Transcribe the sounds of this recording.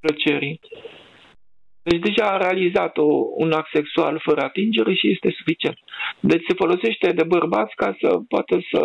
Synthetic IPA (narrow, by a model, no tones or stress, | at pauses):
plət͡ʃe̞ɾi | d̪et͡ʃʲd̪e̞ʒaːɾe̞alizat̪oṵnak̚t̪se̞ksua̰lfəɾəat̪ind͡ʒe̞ɾe̞ʃije̞st̪e̞su̥fit͡ʃie̞nt̪̚d̪et͡ʃʲse̞fo̞lo̞se̞ʃt̪e̞d̪e̞bərbat̪sʲkasə̰poa̰t̪əsə̰